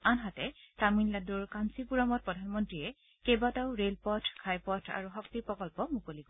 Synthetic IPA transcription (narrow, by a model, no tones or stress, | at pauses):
anɦatɛtaminladuɹkansipuɹamɔt̚pɹɔdʱanmɔntɹiɛ | kebataʊɹelpɔtʰkʰajpɔtʰa̰ɹuxɔk̚tiɹpɹɔkɔlpɔmukoliɡɔ